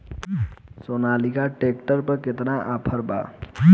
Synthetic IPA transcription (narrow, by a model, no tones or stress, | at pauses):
soːnaːlikaʈeːk̚ʈəɾpəɾkɪt̪naʔapʰəɾba̰ː